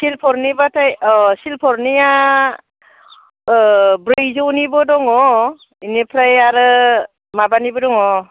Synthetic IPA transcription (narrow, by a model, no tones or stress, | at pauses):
silpʰɔɾnibatʰajsilpʰɔɾnia | bɾɯjzɯwnibɔdɔŋɔ | inipʰɾajaɾɯ | mabanibɔdɔŋɔ